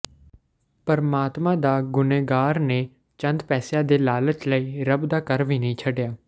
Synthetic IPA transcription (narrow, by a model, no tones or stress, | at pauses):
pəɾmaːt̪mãːd̪aːɡʊneːɡaːɾneː | t͡ʃə̃nd̪pɛːsjãːd̪eːlaːlət͡ʃləiːɾəbd̪aːkəɾʋiːnəĩːt͡ʃʰəɖjaː